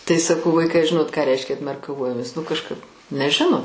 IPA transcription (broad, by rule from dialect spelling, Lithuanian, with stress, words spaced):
tɐɪ sɐˈkɐʊ ˈʋɐɪkɐɪ ɐ ˈʒʲɪnoːt kɑː ˈrʲɛɪʃʲkʲɛ ɐtʲmʲɛrkɐˈʋoːjoːmʲeːs ʋɐ nʊ kɐʃˈkɐp nʲɛˈʒʲɪnoː